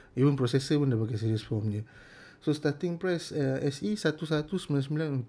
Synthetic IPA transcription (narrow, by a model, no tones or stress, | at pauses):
ivə̃npɾɔsɛsəiwə̃ndapakasiɾiəsfɔmɲə̃ | sost̪at̪ĩŋpɾɛsəɛsisat̪usat̪usmanasmilãʔ